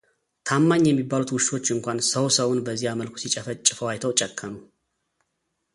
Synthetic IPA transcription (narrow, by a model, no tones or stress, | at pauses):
t̪ʰamːaɲːjɛmːibːalut̪wʊʃt̪o̞t͡ʃːɨŋkʷansəwsəwʊnbəzːihaməlkʰʷu̥sit͡ʃʼəfət͡ʃʼːɨfəwajt̪ʰəwt͡ʃʼɛkʰːəmu